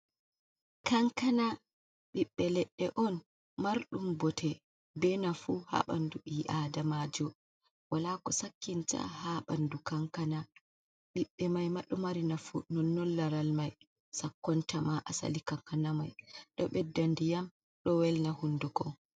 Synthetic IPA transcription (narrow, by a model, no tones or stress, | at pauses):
kaŋkana | ɓiɓːɛlɛɗːɛʔɔn | maɾɗumbɔtʰɛ | bɛnafuha̰ɓa̰nduʔiʔadamad͡ʒɔ | walakɔsakːinta̰haɓandukaŋkana | ɓiɓːɛmajmaɗːumaɾinafṵnɔnːɔlːaɾalmaj | sakːɔntamaʔasa̰likaŋkanamajɗɔɓɛdːandijam | ɗɔwɛlnahundukɔ